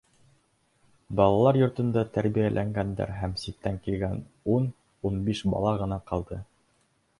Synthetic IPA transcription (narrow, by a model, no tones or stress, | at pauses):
bɑlˠɑlˠɑɾjŏɾt̪ɤ̆nd̪ɑt̪æɾbijælʔæŋɡænd̪æ̰ɾɦæmsit̪ːæŋkilɡænun | unbiʃbɑ̰lˠɑʁɤ̆nɑqɑlˠd̪ɤ